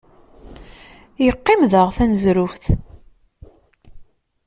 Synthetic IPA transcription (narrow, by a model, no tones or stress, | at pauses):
jəqːɪmðəʁθænzɾʊfθ